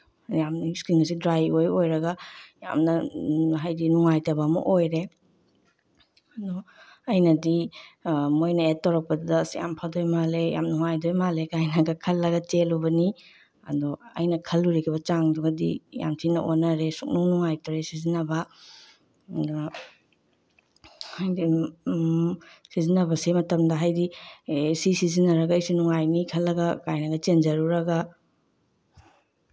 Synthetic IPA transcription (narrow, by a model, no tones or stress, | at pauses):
jamjuskiŋɐsidɾajojojɾɐɡɐja̰mnɐɦajdinuŋajtɐbamɐ̰ʔojɾe | ɐdɔ | ɐjnɐdi | mojnɐet̚ːawɾɐk̚pɐdudɐsja̰mpʰadojmaleja̰mnuŋajdojmalekajnaɡɐkʰɐlːɐɡɐtelubɐni | ɐ̰dɔɐ̰jnɐkʰɐlːuɾekʰibɐt͡ʃaŋduɡɐdḭja̰mtʰinɐ̰ʔonɐɾesuk̚nuŋnuŋajtɔɾesizinɐbɐ | d | hajdi | sizinɐbɐsemɐtɐmdɐɦajdisisizinɐɾɐɡɐijsinuŋajnikʰɐlːɐɡɐkajnɐɡɐt͡ʃend͡ʒɐɾuɾɐɡɐ